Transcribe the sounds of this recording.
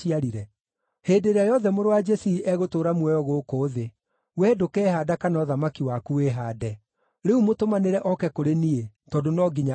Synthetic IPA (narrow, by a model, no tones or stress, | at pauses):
iaɾiɾɛ | heːdeɾeajɔðɛmoɾowad͡ʒɛsiiʔɛɣotoːɾamwɛjɔɣoːkoːðe | wɛdokɛːhadakanɔðamakiwakueɦaːdɛ | ɾeumotomaneɾɛʔɔkɛkoɾenie | tɔːdonɔːɡiɲa